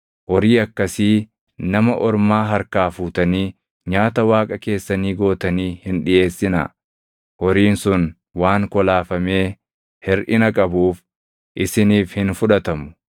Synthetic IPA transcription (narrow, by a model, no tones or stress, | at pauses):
wɔɾiːɐkːɐsiː | nɐmɐʔɔɾmaːɦɐɾkaːfuːt̪ɐniː | ɲaːt̪ɐwaːkʼɐke̞ːsːɐniːɡo̞ːt̪ɐniːhɪnᶑɪʔe̞ːsːɪnɐ̰ | wɔɾiːnsʊn | waːŋkɔlaːfɐme̞ː | hɪɾʔɪnɐkʼɐbuːf | ʔɪsɪniːfhɪnfʊᶑɐt̪ɐmʊ̥